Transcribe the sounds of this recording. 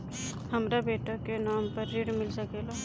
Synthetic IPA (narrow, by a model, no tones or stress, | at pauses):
hɐmɾabeːʈakenaːmpəɾːiɽmɪlsɐkeːlaː